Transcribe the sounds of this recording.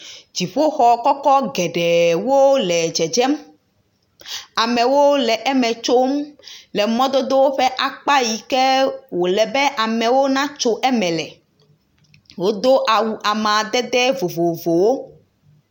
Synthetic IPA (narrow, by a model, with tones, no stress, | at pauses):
d͡ʒi˨ɸo˦xɔ˨kɔ˦kɔ˦ɡɛ˨ɖɛ˨wo˦lɛ˨d͡ʒɛ˨d͡ʒɛ˦m | a˨mɛ̃˨wo˦lɛ˨ʔɛ˦mɛ̃˨t͡ʃo˦mlɛ˨mɔ̃˦d̪o˦d̪o˦wo˦ɸɛ˦ʔa˨k͡pa˦ji˨kɛ˦wo˨lɛ˨bɛ˦ʔa˨mɛ̃˨wo˦nã˦t͡ʃo˦ʔɛ˦mɛ̃˨lɛ˨ | wo˦d̪o˦ʔa˨wu˨ʔa˨mã˨d̪ɛ˦d̪ɛ˦vo˨vo˨vo˨wo˦